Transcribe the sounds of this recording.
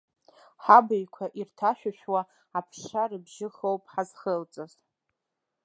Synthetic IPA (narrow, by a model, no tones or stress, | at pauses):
ħabɨjkʷʰaʔirtʰaʃᶣaʃᶣwa | apʰʂarɨbʒɪχowpʼħazχəlt͡sʼaz